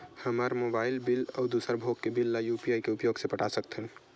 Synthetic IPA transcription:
həmaɾmobaːɪlbɪlɔːd̪usəɾbʱoɡːebɪlːajupiaːikeʊpjoːɡsepəʈʰasəkt̪ɦən

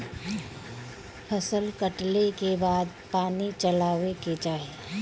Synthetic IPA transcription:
pʰəsəlkəʈlekebaːd̪paːnit͡ʃəlaːʋeked͡ʒaːɦe

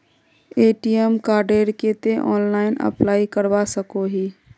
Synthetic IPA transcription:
eːʈiɛmkaːɾɖeːɾket̪eʔɔ̰ːnlaːɪnə̰plaːikəɾbasəkoɦiː

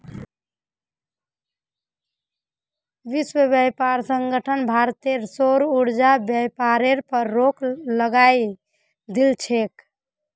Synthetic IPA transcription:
ʋiswəbəjpaɾsəŋɡəʈʰənbʱaɾt̪eɾsoɾuɾd͡ʒabjəjpaɾeɾpəɾːokləɡaj | d̪ilt͡ʃʰek

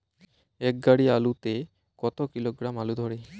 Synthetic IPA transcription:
ɛk̚ɡaɽialut̪e | kɔt̪okiloɡɾamalud̪ʱɔɽe

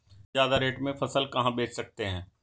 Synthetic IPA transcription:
jaːd̪aɾeːʈmẽfɐsəlkɐɦãbeːt͡ʃsɐk̚t̪eɦɛ̃ː

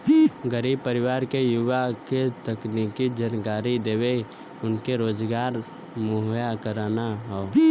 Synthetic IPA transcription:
ɡəɾiːb̚pəɾɪʋaːɾkejʊʋaket̪əknikid͡ʒənkaːɾid̪eːwe | ʊnkeɾoːd͡ʒɡaːɾ | mʊɦjakəɾaːnaɦɔo

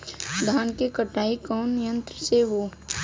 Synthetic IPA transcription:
d̪ʱaːnkekəʈaːikɔːnɪjə̃nt̪ɾəseʋoː

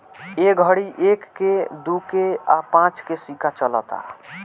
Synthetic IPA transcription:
eɡʱəɽiʔekːed̪ukeapãt͡ʃkesikat͡ʃəlɔ̰t̪a̰

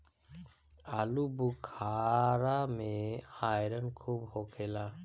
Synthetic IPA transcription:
alubukʰaɾameajɾənkʰuːbhokʰela

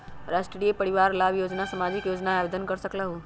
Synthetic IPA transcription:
ɾasʈɾijepəɾiʋaɾlabjod͡ʒnasəmad͡ʒikjod͡ʒnaːbed̪ənkəɾsəklaɦu

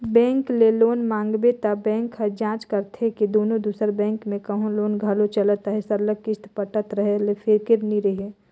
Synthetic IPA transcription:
bɛ̃ːŋkleloːnmãːŋɡbet̪abɛ̃ːŋkɦəd͡ʒãːt͡ʃkəɾt̪ʰekid̪oːnõd̪usəɾbɛ̃ːŋkmẽkəɦõloːnɡʱalot͡ʃələt̪əɦɛsəɾlək̚ːɪst̪pəʈət̪ɾəɦelepʰɪɾkɪɾniɾəɦe

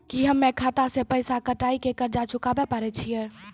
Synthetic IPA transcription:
kiɦəmːekʰat̪asẽpəjsakəʈaikekəɾd͡ʒat͡ʃukabepəɾɛt͡ʃʰijɛ

